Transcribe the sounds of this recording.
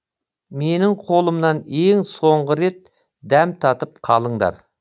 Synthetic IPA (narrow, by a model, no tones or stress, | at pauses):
me̞nɪŋqʰo̞lˠəmnɑne̞ŋso̞ɴʁəɾe̞t̪̚ | d̪æmt̪ʰɑt̪əp̚qʰɑlˠəɴd̪ɑ̰ɾ